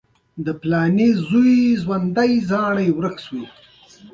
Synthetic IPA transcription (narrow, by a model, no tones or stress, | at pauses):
d̪əplɑːnezujzwand̪ajzɑɽajwɾəxswi